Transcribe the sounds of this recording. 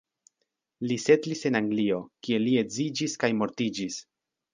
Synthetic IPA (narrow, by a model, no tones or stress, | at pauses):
lise̞tlise̞naŋɡlio̞kie̞lie̞zid͡ʒiskajmo̞ɾtid͡ʒis